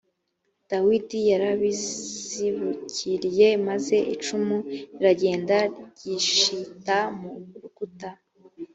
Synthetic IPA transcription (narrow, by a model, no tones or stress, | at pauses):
d̥awidijaɾaβizziβuciɾje̞maze̞ʔit͡ʃumuɾiɾaɟe̞ːndaɾɟiʃitamuɾuɡuta